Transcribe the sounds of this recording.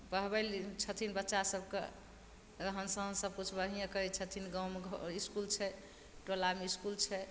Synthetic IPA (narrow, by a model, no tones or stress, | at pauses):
bəɦbɛlt͡ʃʰət̪ʰinbətːʃasəbkḛ | ɾəɦənsə̃ɦənsəb̚kut͡ʃʰbəɦijãkəit͡ʃʰət̪ʰinɡawmeɡʱiskult͡ʃʰɛ | ʈolameiskult͡ʃʰɛ